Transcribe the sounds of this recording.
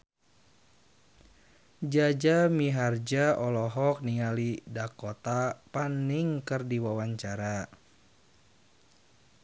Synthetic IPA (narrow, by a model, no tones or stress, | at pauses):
d͡ʒad͡ʒamiɦard͡ʒaɔlɔɦɔk̚niŋalidakɔt̪apaniŋkɨrdiwawaɲt͡ʃaɾa